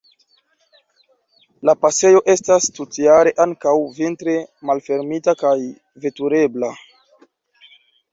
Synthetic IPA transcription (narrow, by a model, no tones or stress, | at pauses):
lapase̞jo̞ʔe̞stastutiaɾe̞ʔaŋkawvintɾe̞malfe̞ɾmitakaj | ve̞tuɾe̞bla